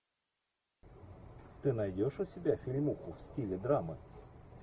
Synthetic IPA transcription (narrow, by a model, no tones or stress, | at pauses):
t̪ɨnɐjdʲoʂʊsʲɪbʲafʲɪlʲmuxʊfsʲtʲilʲɪd̪ɾamɨ̰